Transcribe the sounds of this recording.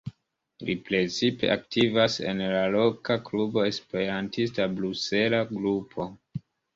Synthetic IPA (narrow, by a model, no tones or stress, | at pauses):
lipɾe̞t͡sipe̞ʔaktivase̞̰nlalo̞kaklubo̞e̞spe̞ɾantistabɾuse̞laɡɾupʰo̞